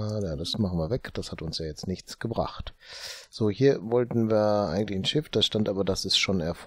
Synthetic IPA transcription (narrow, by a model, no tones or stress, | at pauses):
jaːdasmaχn̩viːɐvɛkd̥ashatʊnsjaːjɛt͡stnɪçt͡sɡ̥əbʁa̰χtz̥oːhiːɐvɔltn̩viːɐʔa̰ɪɡŋ̩tlɪçn̩ʃɪfd̥asʃtantʔaːbɐdasɛsʃoːnɛɐf